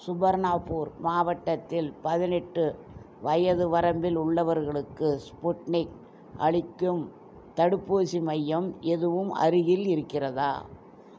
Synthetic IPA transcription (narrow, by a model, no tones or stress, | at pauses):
sʊbɐɾnaːpuːɾmaːʋɐʈːɐt̪ːɪlpɐðɪnɛʈːɯ | ʋɐjɐðɯʋɐɾɐmbɪlʊɭːɐʋɐɾɣɐɭɯkːɯspʊʈnɪk̚ | ʔɐ̰ɻɪkːɯm | t̪ɐɽɯpːuːsimɐjːɐmʔɛðɯʋɯmɐ̰ɾɪɣɪlɪɾɯkːɪrɐða̰ː